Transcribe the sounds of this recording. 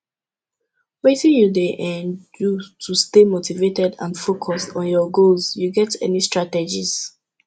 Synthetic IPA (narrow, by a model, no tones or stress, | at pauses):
wetĩnjudeʔɛ̃njutʰustemotivetɛdã̰nfokʰɔstɔ̃n̩jɔɡolzjuɡɛtɛ̰nistɹatɛd͡ʒiz̥